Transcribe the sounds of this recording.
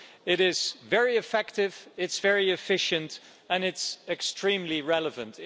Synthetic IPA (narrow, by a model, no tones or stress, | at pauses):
ɪɾɪz̥vɛɹiɨfɛk̚tɪvɪtsv̥ɛɹiɨfɪʃɨ̃nt | ɨ̃nɨtsɨkstɹ̥ĩmliɹɛlˠəvɨ̃nt